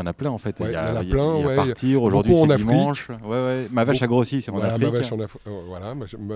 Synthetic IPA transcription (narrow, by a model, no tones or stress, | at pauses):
ɑ̃naplɛ̃ɑ̃fɛt̪ja̰aillɛ̃waɛpat̪ʰiʁoʒuʁd̪ɥisɛnad̪imɑ̃ĩʃwɛwɛmavaʃaɡʁosisɑ̃nafivʃnafvwalamʒ